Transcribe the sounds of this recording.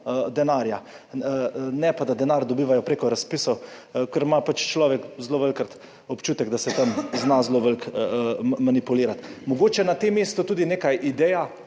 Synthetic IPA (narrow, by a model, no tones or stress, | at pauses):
d̪ɛnaɾja | nɛpad̪ad̪ɛnaɾd̪ɔbiːʋajɔpɾeːkɔɾaspiːsɔwkəɾmapat͡ʃt͡ʃlɔːʋɛkzloʋəlkɾat̪ | ɔpt͡ʃuːt̪ɛɡd̪asɛt̪amznazloʋəlk | manipuliːɾat̪mɔɡoːt͡ʃɛnat̪emːeːst̪ut̪uːd̪ineːkajʔid̪ɛja